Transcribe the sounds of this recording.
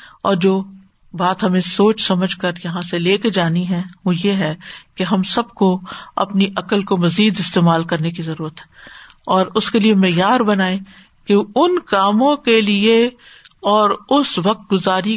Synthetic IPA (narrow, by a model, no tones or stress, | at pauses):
ɔːɾd͡ʒoː | baːt̪ɦɐmẽsoːt͡ʃsɐməd͡ʒʱkɐɾjɐɦãseleːked͡ʒaːniɦɛ̃ʋojeɦɛkeɦɐmsɐb̚koɐ̰pniʔɐkəlkomɐziːd̪ɪst̪eːmaːlkɐɾnekizɐɾuːɾət̪ɦɛːɔːɾʊskeliemɛːjaːɾbɐnaːẽ | keʊnkaːmõkelie | ɔːɾʊsʋɐk̚t̪̚ɡʊzaːɾi